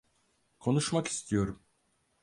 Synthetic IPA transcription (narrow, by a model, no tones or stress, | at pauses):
kʰo̞nuʃmaki̥st̪ʰijo̞ɾum